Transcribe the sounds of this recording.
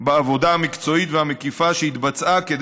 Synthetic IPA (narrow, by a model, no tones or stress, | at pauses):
beavo̞d̪ahamikt͡so̞it̪vehamekifaʃehit̪bat͡sʔaked̪